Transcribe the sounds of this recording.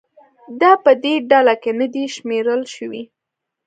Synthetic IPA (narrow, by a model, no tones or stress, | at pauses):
d̪ɑpəd̪eɖalakenad̪iʃmeɾəlʃəwi